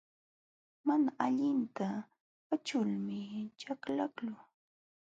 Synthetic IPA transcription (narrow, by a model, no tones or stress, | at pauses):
manaaʎɪnt̪a | pat͡ʃʊlmɪt͡ʃaklaklʊ